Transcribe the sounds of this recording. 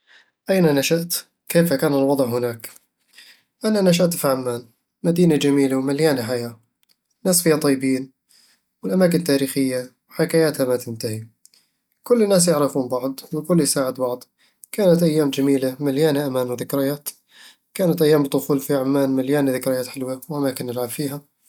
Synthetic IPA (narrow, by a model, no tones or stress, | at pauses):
ʔajnanaʃaʔt̪ | keːfakaːnɪlwɑd̪ˤʕɦɪnaːk | ʔananaʃ̬aʔt̪fiʕamːaːn | mad̪iːnad͡ʒamiːlawmaljaːnħajaː | naːsfiːat̪ˤɑjːɪbiːn | wɪlʔamaːk̬ɪnt̪ːaːɾiːxɪjːawħɪkajaːt̪hamat̪ɪnt̪ahi | kʊlːnːaːs̬jɪʕɾɑfuːnbɑʕd̪ˤwɪkʊlːjɪsaːʕɪd̪bɑʕd̪ˤ | kaːnat̪ʔajːaːmd͡ʒamiːlamaljaːnaʔamaːnwðɪkɾɪjaːt̪ | kaːnat̪ʔajːaːmbɪd̪ʊxuːlfiʕamːaːnmaljaːnðɪkɾɪjaːt̪ħɪlwawʔamaːkɪnːɪlʕabfiːɦa